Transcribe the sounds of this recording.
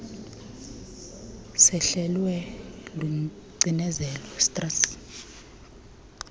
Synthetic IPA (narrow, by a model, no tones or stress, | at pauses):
sɛɬɛlwɛlu | ǀinɛzɛlɔstʼras